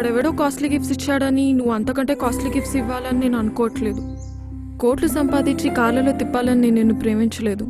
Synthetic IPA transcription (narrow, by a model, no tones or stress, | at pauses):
kɐɽɐʋiːɽoːkaːsʈliɡipsit͡ʃːaːɽɐninuʋuɐnt̪ɐkɐɳʈe̞ːkaːsʈliɡipsiʋːaːlɐnine̞ːnuɐnukɔːʋɐʈle̞ːd̪u | ko̞ːɾʈlusɐmpaːd̪iɲt͡ʃikaːɾlɐlo̞ːt̪ipːaːlɐnineneːnːupɾe̞ːmiɲt͡ʃɐle̞ːd̪u